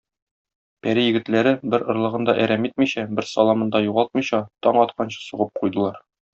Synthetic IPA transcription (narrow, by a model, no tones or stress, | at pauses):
pæɾijɘ̆ɡɘ̆t̪læɾɘbɘɾŏɾlˠɤ̆ʁɤ̆nd̪ɑʔæɾæmit̪̚miɕæbɘɾsɒlˠɑmɤ̆nd̪ɑjuʁɑlˠt̪̚mɤ̆jɕɑt̪ɒɴɒt̪qʰɑnɕɑ̥suʁɤp̚qujd̪ɤ̆lˠɑɾ